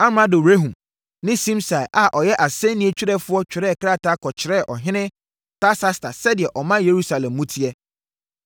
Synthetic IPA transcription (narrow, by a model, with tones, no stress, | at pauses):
a˦mã˦do˨wɾe˦ɦũ˨m | nɪ̃˦sĩ˦msa˨ɛ˨ʔa˨ʔɔ˨jɛ˦ʔa˨sɛ̃˦nĩ˦ɛ˦t͡ɕᶣi˦ɾɛ˦fʊ˦ɔ˦t͡ɕᶣɪ˨ɾɛ˦˨kɾa˦ta˦kʰɔ˨t͡ɕʰɪ˨ɾɛ˦˨ʔɔ˨ɦɪ̃˦nɪ̃˦ | ta˦sa˦sta˨sɛ˦dɪ˨ɛ˨ʔɔ˨mã˦je˨ɾu˦sa˨lɛ̃˨mːũ˦tʰi˦ɛ˦